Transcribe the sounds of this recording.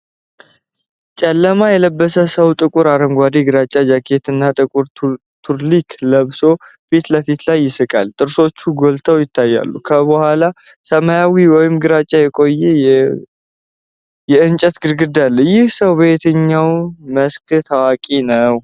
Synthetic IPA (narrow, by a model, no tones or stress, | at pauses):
t͡ʃʼɛlːəmajɛləbːəsəsəwt̪ʼɨkʼuɾaɾəŋɡʷad̪iɡɨɾat͡ʃʼːad͡ʒakʰe̞t̪ɨnːat̪ʼɨkʼuɾ | t̪ʰuɾlikʰləβso̞ | fit̪ləfit̪lajːɪsɨkʼa̰lt̪ʼɨɾso̞t͡ʃːuɡo̞lt̪ʰəwjɪt̪ʰːajːa̰lːukʰəβəhʷala | səmajawiwɔjɪmɡɨɾat͡ʃʼajɛkʼo̞jːɛj | jɛɨnt͡ʃʼət̪ɡɨɾɡɨd̪alːjɪhsəwbet̪ʰɨɲːawməskʰɨt̪ʰawakʼinəw